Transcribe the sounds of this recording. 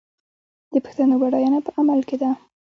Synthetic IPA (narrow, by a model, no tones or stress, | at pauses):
d̪̥əpə̥xt̪anoɡaɽajanapəʔamalked̪a